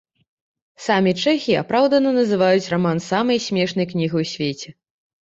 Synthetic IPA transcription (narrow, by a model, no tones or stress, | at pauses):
samʲit͡ʂɛxʲia̰pɾawd̪ɐnɐnɐzɨvajut͡sʲramansamɐjsʲmʲɛʂn̪ɐjknʲiɣɨjwsʲvʲet͡sʲɛ